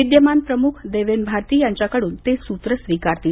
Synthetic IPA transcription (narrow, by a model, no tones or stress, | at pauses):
id̪jəmanpɾəmukʰd̪eʋenbʱaɾt̪iːjaɲt͡ɕjakəɽuːnt̪esut̪ɾəsʋikaɾt̪i